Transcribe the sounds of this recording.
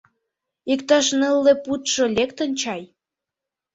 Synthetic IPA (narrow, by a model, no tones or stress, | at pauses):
ikt̪ɑʃnəlːĕput̪ʃŏlʲekt̪ə̆nʲt͡ɕɑj